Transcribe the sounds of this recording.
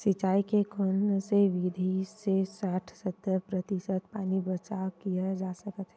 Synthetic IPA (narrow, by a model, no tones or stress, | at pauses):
sɪt͡ʃaːikekʰʊnseʋid̪ʱisesaːʈʰsət̪ːəɾpɾət̪isət̪paːnibət͡ʃakijad͡ʒaːsəkət̪ɦɛ